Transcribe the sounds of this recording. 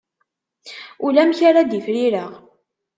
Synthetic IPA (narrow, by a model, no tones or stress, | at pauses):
ulæmçaɾad̪ifɾiɾəʁ